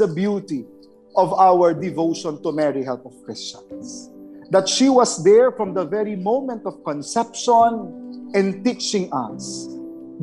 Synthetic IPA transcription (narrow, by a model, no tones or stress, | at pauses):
əbjut̪i | ʔɔvawəɹd̪ɪvoʊʃɔ̃nt̪umɛɹiɦɛlpɔv̥kɹɪst͡ʃɔ̃nsd̪at̪ʃiwʌsd̪ɛɹfɹɔ̃md̪ɐvɛɹimõʊ̃mɛ̃nt̪ɔv̥kɔ̃nsɛpʃɔ̃nʔɛ̃nt̪it͡ʃɪ̃ŋa̰s